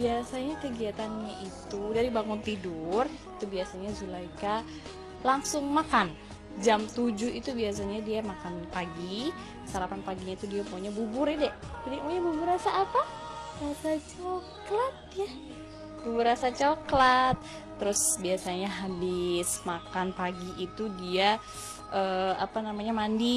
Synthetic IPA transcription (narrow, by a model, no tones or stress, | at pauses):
biasaɲakəɡiat̪anɲaʔit̪udaɾibaŋʊnt̪idurit̪ubiasaɲazulaika | laŋsʊŋmakan | d͡ʒamt̪ud͡ʒʊhit̪ubias̬aɲadiamakanpaɡi | saɾapanpaɡiɲait̪udiamuɲabubʊɾadɛʔd͡ʒadimuɲabubuɾasaːpaɾasat͡ʃoklat̪̚ja | bubuɾasat͡ʃoklat̪̚ː | əɾʊsbiasaɲaɦabɪsmakanpaɡiʔit̪udia | ʔəapanamaɲamandi